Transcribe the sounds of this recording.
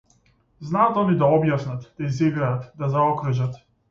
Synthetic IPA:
znat̪ɔnid̪aɔbjasnat̪d̪aiziɡɾaːt̪d̪azaɔkɾuʒat̪

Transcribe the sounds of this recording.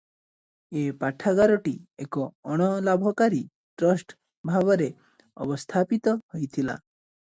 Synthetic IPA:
epaʈʰaɡaɾɔʈiekɔːɽ̃ɔlabʱɔkaɾi | ʈɾɔsʈ | bʱabɔɾe | ɔ̰bɔst̪ʰapit̪ɔhojt̪ʰila̰

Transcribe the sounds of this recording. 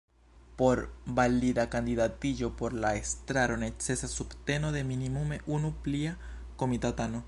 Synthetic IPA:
po̞ɾbalid̪akand̪idat̪id͡ʒo̞po̞ɾlaest̪ɾaɾo̞net͡se̞sasubt̪e̞no̞ðe̞minimume̞ʔunupliako̞mit̪at̪ano

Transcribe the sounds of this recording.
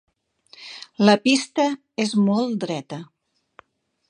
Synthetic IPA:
ləpist̪ə | ezmɔlˠt̪d̪ɾɛt̪ə

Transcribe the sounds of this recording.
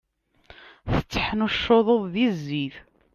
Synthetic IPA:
θə̥t͡sːə̥ħnuʃːoðˤoðˤðizːiθ

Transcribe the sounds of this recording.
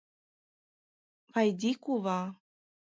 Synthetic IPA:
vajdikuva

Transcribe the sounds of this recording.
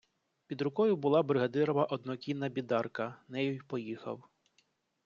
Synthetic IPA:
pʲid̪ɾʊkɔjʊbʊlˠɑbɾɪɦɐd̪ɪɾɔʋɐʔɔd̪nɔkʲinːɐbʲid̪ɑrkɐnɛjʊjpɔjixɐ̰w

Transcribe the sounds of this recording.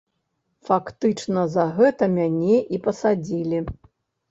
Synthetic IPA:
fakt̪ɨt͡ʂnɐzɐɣɛt̪ɐmʲanʲɛʔipɐsad͡zʲilʲi

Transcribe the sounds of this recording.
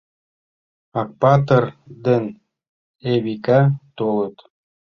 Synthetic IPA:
ɑk̚pɑt̪ərd̪ən | eβikɑt̪olə̆t̪

